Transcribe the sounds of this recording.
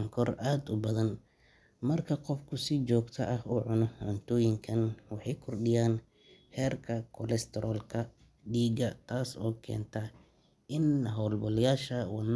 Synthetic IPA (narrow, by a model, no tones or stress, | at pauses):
ŋkʰɔraːd̪ʊbɐðɐn | mɐrkʰɐqɔfkʰʊsɪd͡ʒɔːɡt̪ʰɐʔɐhʊʕʊnɔhʊnt̪ʰɔːjɪŋkʰɐnwɑħɑjkʰɔrɖɪjaːn | hɛːrkʰɐkʰɔlɛst̪ʰɛɾʔɔːlkʰɐ | ɖiːɡɐt̪ʰaːsɔ̰ːkʰɛ̰ːnt̪ʰɐ | ɪnɦɔːlbɔljaːʃɐwɑn